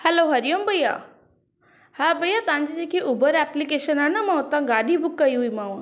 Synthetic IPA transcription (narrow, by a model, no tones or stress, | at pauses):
hɛloɦɐɾijombʱɐja̰ | habʱɐjat̪ɐãɲd͡ʑid͡ʑekʰiʔubəɾɛplikeːʃənanɐmãt̪ãɡaːɗʱibʊkːɐiɦuimãʋ